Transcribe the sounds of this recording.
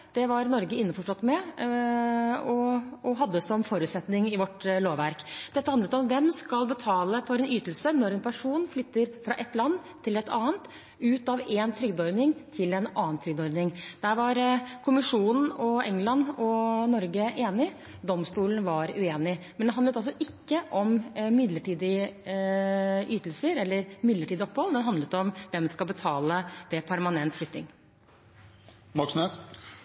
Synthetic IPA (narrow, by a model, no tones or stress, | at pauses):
d̪̥ɛʋɑɾnɔɾɡəɪnːəfɔʂʈɔt̪ːmɛ | ɔɔɦɑd̪ːəsɔmfoːɾʉːt̪sɛt̪nɪŋɪʋɔʈːloːʋʋæɾkd̪̥ɛt̪ːəhɑnət̪ɔmd̪ɛmskɑlbət̪ʰɑːləfʰɔɾɛnyːt̪əl̩sənɔɾɛnpʰæʂuːnflʏt̪ːəɾfɾɑ̰ːʔɛt̪lɑnːt̪ʰːɪlɛt̪ɑ̰ːənt̪ | ʉːt̪ɑʋɛnt̪ʰɾʏɡd̪ɔɾnɪŋt̪ʰɪlɛnɑːənt̪ʰɾʏɡd̪ɔɾnɪŋd̪̥æɾʋɑɾkʰʊmɪʂuːnn̩ɔɛŋːlɑnːɔnɔɾɡəʔeːnɪ | d̪ɔmst̪uːlnʋɑɾʉeːnɪmɛnd̪ɛhɑnd̪ət̪ɑlsɔʔɪkːəʔɔmmɪd̪ləʈiːd̪ɪ | ʔyːt̪lsəɾɛlːəɾmɪd̪ləʈʰiːd̪ɪɔpːhɔlmɛnɦɑnd̪lət̪ɔmʋɛmskɑlbət̪ʰɑːləd̥̪ɛpʰæɾmɑnɛnt̪flʏt̪ːnɪŋ | mɑksnøs